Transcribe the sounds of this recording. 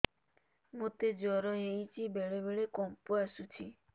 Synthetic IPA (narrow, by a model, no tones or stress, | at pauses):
mot̪ed͡ʒɔɾɔɦejt͡ʃʰibeɭebeɭekɔmpɔasut͡ʃʰi